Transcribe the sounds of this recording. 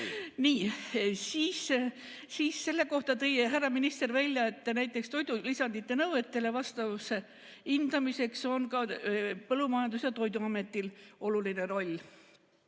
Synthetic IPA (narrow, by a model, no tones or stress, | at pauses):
niːsiːs | siːsːe̞lːe̞ko̞ht̪ɑt̪ejɦærːɑminist̪e̞rvælʲjɑe̞t̪ːˑnæjt̪ːˑe̞kst̪o̞jd̪ulisɑnd̪it̪ːˑe̞nɤwve̞t̪ːe̞le̞vɑst̪ɑvuse | ind̪̥ɑmise̞kso̞nkɑpɤlːumɑjɑnd̪usjɑt̪o̞jd̪uɑme̞t̪ːˑilo̞luline̞ɾo̞lʲː